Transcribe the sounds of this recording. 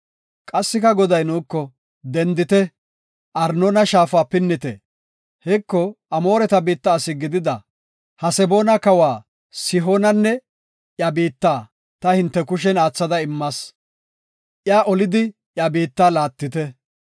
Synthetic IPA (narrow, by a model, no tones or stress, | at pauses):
kʼɐsːɪkɐɡɔd̪ɐjnuːkːɔ | d̪ɛnd̪ɪt̪ɛ | ʔɐɾnonɐʃaːfaːpɪnːɪt̪ɛ̰ | hɛkːɔʔɐmo̞ːɾɛt̪ɐbiːt̪ːɐːsɪɡɪd̪ɪd̪ɐ | hɐsɛbo̞ːnɐkɐwaː | sɪɦonɐnːɛ | jɐbiːt̪ːaː | t̪ɐhɪnt̪ːɛkʊʃ̬ɛnaːt͡sːɐd̪ɐɪmːɐs | ʔjaːʔɔlɪd̪ɪ | ʔjabiːt̪ːaːlaːt̪ːɪt̪ɛ